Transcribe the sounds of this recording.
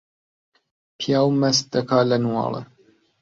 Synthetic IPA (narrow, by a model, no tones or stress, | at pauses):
pʰijaːwmɐs̚d̪ɐkʰaːlɐnwɑ̰ːlə̰